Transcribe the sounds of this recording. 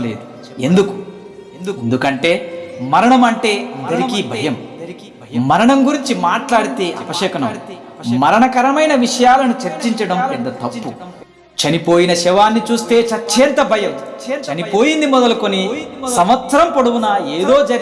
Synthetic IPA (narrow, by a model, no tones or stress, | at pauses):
ḛːd̪u | end̪uku̥ | end̪ukɐɳʈe̞ːmɐɾɐɳɐmɐɳʈe̞ːɐnd̪ɐɾikibʱɐjɐm | mɐɾɐɳɐmɡuɾiɲt͡ʃimaːʈlaːɽit̪eːʔɐpɐʂɛkɐnɐm | mɐɾɐɳɐkɐɾɐmɐjnɐʋiʂɐjaːlɐnut͡ʃɐɾt͡ʃiɲt͡ʃɐɽɐmpɛnd̪ɐt̪ɐpːu | t͡ʃɐnipo̞ːjinɐʃɛʋaːnːit͡ʃuːst̪e̞ːt͡ʃɐt͡ʃːɛːnt̪ɐbʱɐjɐmt͡ʃɐnipo̞ːjind̪imɔd̪ɐlɐkonisɐmʋɐt̪ɐɾɐmpoɽuʋunɐeːd̪oːd͡ʒɐ